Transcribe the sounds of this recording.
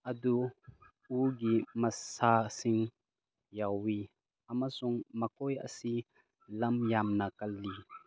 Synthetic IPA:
ʔɐdu | uɡimɐsasiŋ | jawi | ɐmasuŋmɐkɔjɐ̰si | lɐmjamnɐkɐlːi

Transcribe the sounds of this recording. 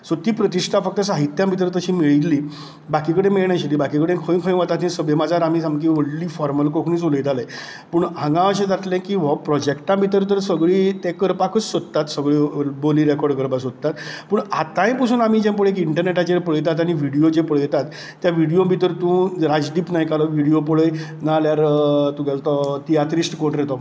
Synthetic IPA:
sot̪iːpɾət̪iʂʈʰafək̚t̪əs̬aɦit̪jãmbʱit̪̬əɾt̪əɕiːmiɭit̪liː | bakiːkəɽemiɭɳjaɕiliːbakikəɽekʰə̃ĩkʰə̃j̃ʋat̪at̪ĩsəbʱemad͡zaɾam̤iːsamkiʋəɽliːfɔɾməlkokʰñiːt͡soləjt̪aləj | pəɳãŋɡãəɕed͡zat̪lẽkiːʋɔpɾɔd͡ʑekʈãbʱit̪̬əɾt̪əɾsəɡɭiːt̪ekəɾpakət͡ssod̪ət̪at̪səɡɭiːboliːɾekɔɾɖkəɾpasod̪̚t̪at̪pəɳat̪ãj̃pusʰuːnamiːd͡ʑẽmp̬oɭekiɳʈəɾneʈad͡ʑepəɭəjt̪at̪aɽ̃iʋiɽijod͡ʑepəɭjɛt̪at̪ː | jaʋiɽijobʱit̪əɾt̪ũɾad͡zd̪iːpnajkalɔʋiɽijopəɭəj | naljaɾt̪uɡʱjat̪ɔt̪ijat̪ɾisʈkoɳɾet̪ɔ

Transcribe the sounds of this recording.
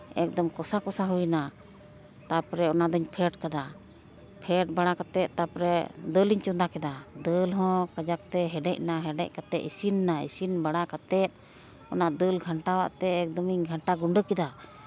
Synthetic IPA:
ɛ̰k̚d̪ɔmkɔsakɔsaɦujna | t̪apɔɾɛɔnad̪ɔɲpʰɛʈkad̪a | pʰɛʈ̚baɽ̃akat̪ɛt̪̚t̪apɾɛd̪əliɲt͡ʃɔd̪akɛd̪ad̪əlɦɔ̃kad͡ʒak̚t̪ɛɦɛɖɛc̚naɦɛɖɛc̚kat̪ɛt̪isinːaḭsinbaɽakat̪ɛt̪̚ˀ | ɔnaʔd̪əlɡʱaɳʈawa̰ʔt̪ɛːk̚d̪ɔmiɲɡʱaɳʈaɡuɳɖəkɛd̪a

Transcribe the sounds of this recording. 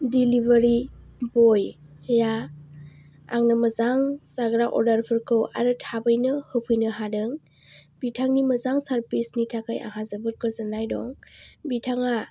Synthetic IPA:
dilibeɾi | bɔj | ja | a̰ŋnɯmɐzaŋsaɡɾaʔɔ̰ɾdaɾpʰɯɾkʰɯwa̰ɾɯtʰabɯjnɯhɯpʰɯjnɯɦadɯŋ | b̥itʰaŋniməzaŋsaɾpʰisnitʰakʰajʔa̰ŋɦazabɯɾkʰɯzɯnajdɔ̰ŋbitʰaŋa

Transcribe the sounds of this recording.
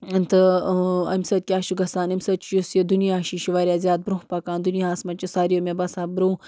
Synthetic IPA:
nt̪ɨɐmʲsɐt̪̚kʲaːʃuɡɐsaːnɐmʲsɐt̪̚t͡ʃʰjusjid̪unijaːʃiʃiʋaːɾʲjaːzʲjaːt̪̚bɾũɦpɐkaːnd̪unijasmɐt͡ʃisaːɾijoːmʲebɐsaːbɾuː

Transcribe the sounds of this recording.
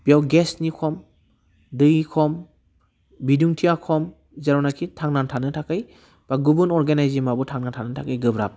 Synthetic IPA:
b̥ijawɡesnikʰɔm | dɯikʰɔm | biduŋtʰiakʰɔm | zaɾɔnakʰitʰaŋnantʰanɯtʰakɯj | b̥aɡubunɔɾɡenajzimabutʰaŋnantʰanɯtʰakɯjɡɯbɾap̚

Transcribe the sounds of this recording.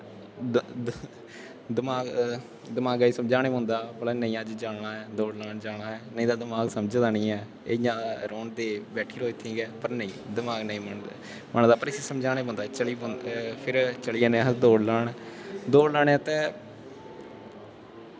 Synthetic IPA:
d̪ɪmaːɡ | d̪ɪmaːɡaːiːsəmd͡ʒaːñeːbə̃nd̪aːbəlɛːnəĩːəd͡ʒd͡ʒaːɳaːɛːd̪oːɽlaːɳd͡ʒãːaːɛːnəĩːd̪aːd̪ɪmaːɡsəmd͡ʒd̪aːnĩːɛː | ejãːɾoːɳd̪eːbɛːʈʰiːɾoːit̪ʰːĩːɡɛːpəɾnəĩːd̪ɪmaːɡnəĩːməɳ | məɳd̪aːpəɾɪseːsəmd͡ʒaːɽ̃eːbõːnd̪aːt͡ʃəlĩːpʰɪɾt͡ʃəliːãːnẽɦd̪oːɽlaːɳd̪oːɽlaːɽɛːt̪ẽː

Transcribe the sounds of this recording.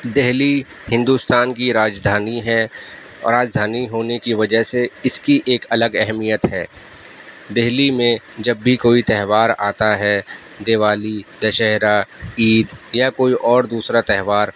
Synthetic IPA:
d̪ɪɦli | hɪ̃nd̪ust̪aːnkiɾaːd͡ʒd̪ʱaːniɦɛ | ɾaːd͡ʒd̪ʱaːniɦoːnekiʋɐd͡ʒəɦseɪskiʔeːkɐləɡɛɦmijət̪ɦɛː | d̪ɪɦlimẽd͡ʒɐbːʱikoːit̪ɛɦʋaːɾa̰ːt̪aɦɛ | d̪eːʋaːlid̪ɐʃɛɦɾaiːd̪jakoːiʔɔːɾd̪uːsɾat̪ɛɦʋaːɾ

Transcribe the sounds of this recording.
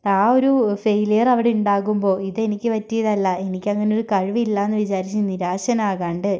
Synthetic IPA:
aːo̞ɾufejlijɐrɐʋiɽeuɳɖaːɣumbo̞ːiðe̞nikʲːɨpɐtːijɐðɐlːɐe̞nikʲːɐŋːɐneo̞ɾukɐɻʋiilːaːenːɨʋit͡ɕaːɾit͡ɕːɨniɾaːɕɐnaːɣaːɳɖɨ

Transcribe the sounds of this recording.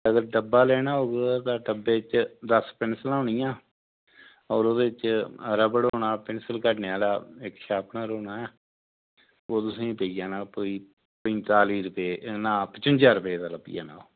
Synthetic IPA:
əɡəɾɖəbːaːlɛːɽaːoːɡt̪ãːʈəbːeːɪt͡ʃd̪əspɪnsəlãːɳɪjãː | ɔːɾoːd̪eːɪt͡ʃəɾəbɽoːɽaːpɪnsəlkəʈneːaːlaːɪkʃaːpʰnaːɾoːnaːɛː | oːt̪ʊsĩːpeːijaːnaːpoːiː | pətaːliːɾʊpeːʔnãːpət͡ʃʊnd͡ʒaːɾəpeːd̪aːləbḭja̰ːna̰ːoː

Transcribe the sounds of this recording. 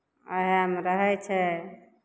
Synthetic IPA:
ə̰ɦamɾəɦɛt͡ʃʰɛ

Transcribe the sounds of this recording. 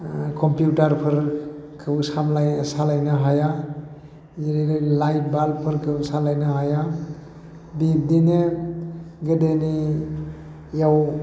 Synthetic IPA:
kʰɔmpjutaɾpʰɯɾkʰɯsamlajsalajnaɦaja | ziɾiɾajlajp̚ʰbalpʰɯɾkʰɯsalajnaɦaja | bip̚dine | ɡedeni | jaw

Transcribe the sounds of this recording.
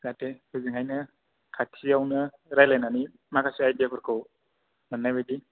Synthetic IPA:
zatekʰɯzɯŋajnɯ | kʰatʰiawnɯ | ɾajlajnani | makʰasiajdijapʰɯɾkʰɯw | mɯnːajbɯdi

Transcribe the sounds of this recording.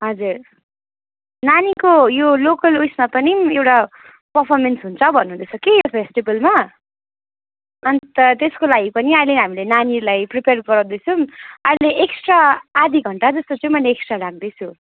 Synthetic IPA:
ɦʌd͡zur | nanikojolokʌlujsmapʌniewʈa | pʌrpʰʌrmensɦunt͡sʰʌbʱʌnːuɦund̪ʌt͡sʰʌkejopʰesʈibʌlma | ʌnit̪ʌt̪eskolaɡipʌniʌjleɦamilenanilajpripearɡʌɾãw̃d̪ʌt͡sʰuʌjleʔeksʈraːd̪ʱiɡʱʌɳʈad͡zʌst̪ot͡sʌ̃ĩmʌjleeksʈraɾaɡd̪ʌt͡sʰu

